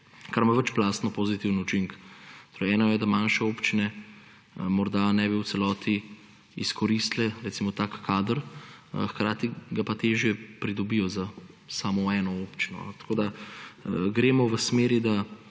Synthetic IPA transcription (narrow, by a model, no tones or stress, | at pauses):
kaɾmaʋət͡ʃplaːst̪nɔpoːzit̪iwnut͡ʃiŋkt̪oɾɛjɛːnɔjɛd̪amaːnʃɛopt͡ʃinɛ | mɔɾd̪anɛbiw̪sɛlɔːt̪ʰi | iskɔɾist̪lɛɾɛt̪simɔt̪aːkːaːd̪əɾxkɾaːt̪iɡapat̪eːʒjɛpɾid̪ɔbijɔzasaːmɔɛːnɔoːpt͡ʃinɔ̰ɛt̪ḁkoːd̪a | ɡɾeːmɔʋəsmeːɾid̪a